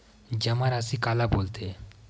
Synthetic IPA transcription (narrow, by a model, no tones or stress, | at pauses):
d͡ʒɐmaɾasikaːlaboːlt̪e